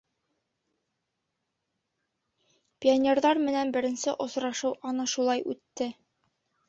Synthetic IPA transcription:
pʲɪonʲerðɑɾmɘ̆nænbɘ̆ɾɘ̆nsɘʔŏsɾɑʃɤwʔɒnɤʃulˠɑjʉt̪ːɘ

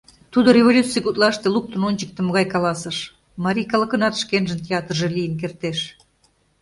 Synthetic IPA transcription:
t̪ud̪orʲevolʲut͡sːɨjkut̪lɑʃt̪eluk̚t̪ənonʲt͡ɕə̥k̚t̪emə̆ɣɑjkɑlɑsəʃ | mɑɾʲijkɑlə̆kə̆nɑt̪ʃkenʒə̆nt̪ʲeɑt̪rʒelijənk̬ert̪eʃ

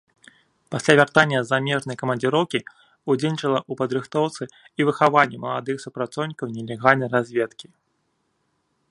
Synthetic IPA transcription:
pasʲlʲavʲart̪anʲːɐzamʲɛʐnɐjɐkɐmɐnʲd͡zʲɨɾɔwkʲi | ud͡zʲenʲit͡ʂɐlˠɐʔupɐd̪ɾɨxt̪ɔwt̪sɨ | ivɨxavanʲːɛmɐlˠad̪ɨxsupɾat̪sɔwnʲikɐwnʲɛlʲɛɣalʲnɐjɾazʲvʲeɛt̪kʲi̥

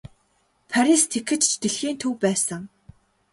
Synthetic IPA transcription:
pʰaɾʲist̪ʰekɘ̆t͡ɕt͡ɕt̪eɮxiːnt̪ʰɵwpæːsə̆ŋ

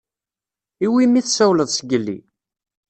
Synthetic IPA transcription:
iwimːiθsæwləðˤsəɡəlːḭ

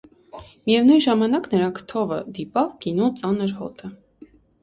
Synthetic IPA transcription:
mijɛvnujnʒɑmɑnɑknəɾɑŋkʰt̪ʰɔvəd̪ipɑvɡinut͡sɑnəɾhɔ̰t̪ʰə

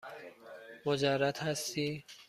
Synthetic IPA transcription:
mod͡ʒærːat̪hæst̪iː

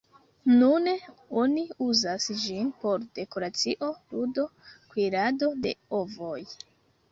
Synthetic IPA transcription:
nuneo̞niuzasd͡ʒinpo̞ɾde̞ko̞ɾat͡siʔo̞ludo̞kwiɾado̞de̞̰ovo̞j

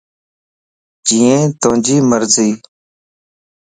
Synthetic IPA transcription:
d͡ʒĩːẽːt̪õːd͡ʒiːməɾziː

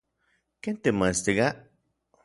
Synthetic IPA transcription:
kent̪emãst̪iɡa

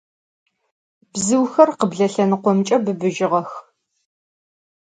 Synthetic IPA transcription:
bzɨwxɐrqəbɮɐɬɐnɨqʷɔmt͡ʃʼɐbɨbɨʒɪʁɐx

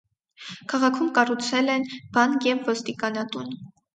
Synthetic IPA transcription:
kʰɑʁɑkʰumkɑrut͡sʰɛlɛnb̥ɑnkjɛvːɔst̪ikɑnɑt̪un

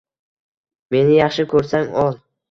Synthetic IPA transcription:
me̞nɪjɑχʃɪkʰɵɾsaŋɒlˠ

